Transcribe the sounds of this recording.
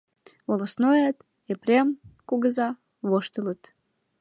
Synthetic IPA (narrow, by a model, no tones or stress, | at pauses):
βolosnojat̪ | eprʲemkuɣəzɑ | βoʃt̪ələ̆t̪